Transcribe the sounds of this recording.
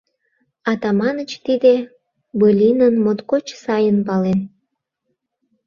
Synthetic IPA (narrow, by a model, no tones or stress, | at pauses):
ɑt̪ɑmɑnət͡ɕt̪id̪e | bəlʲinənmot̪kot͡ɕsɑjənpɑlen